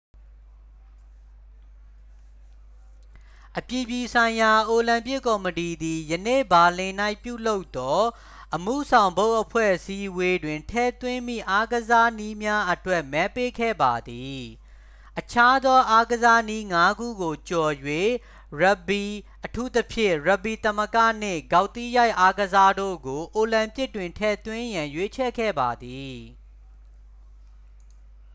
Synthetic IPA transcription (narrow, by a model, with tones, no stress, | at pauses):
ʔəpji˨bji˨sʰã˨ɪ̃ja˨ʔo˨lã˨mpɪ˦kːɔ˨məti˨d̪i˨jənḛ˦˨ba˨lɪ̃˨na˦ɪpjṵ˦˨lo˦ʊt̪ːɔ˦ | ʔəmṵ˦˨sʰã˨ʊ̃mbo˦ʊʔəpʰwɛ̰˦˨ʔəsi˦we˦dwɪ̃˨ntʰɛ̰˦˨t̪wɪ̃˦mḭ˦˨ʔa˦ɡəza˦ni˦mja˦ʔətwɛ˦˨ʔmɛ˦pe˦kʰɛ̰˦˨ba˨d̪i˨ | ʔət͡ɕʰa˦d̪ɔ˦ʔa˦ɡəza˦ni˦ŋa˦ɡṵ˦˨ɡo˨t͡ɕɔ˨jwe˦˨ | ɹɛ˦˨bi˨ | ʔətʰu˦t̪əpʰjɪ̰̃˦˨ɹa˨bi˨t̪ə˦mə˦kä̰˦˨n̥ɪ̰̃˦˨ɡa˨ʊt̪i˦˨ja˦ɪʔa˦ɡəza˦do̰˦˨ɡo˨ʔo˨lã˨mpjɪ˦tːwɪ̃˨ntʰɛ̰˦˨t̪wɪ̃˦jã˨jwe˦t͡ɕʰɛ̰˦˨kʰɛ̰˦˨ba˨d̪i˨